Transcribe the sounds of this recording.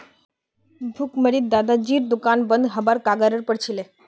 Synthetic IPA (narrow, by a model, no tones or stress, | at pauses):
bʱukməɾiːt̪̚d̪ad̪ad͡ʑiːɾd̪ukanbənd̪ɦəbaɾkaɡaɾəɾpəɽt͡ɕʰile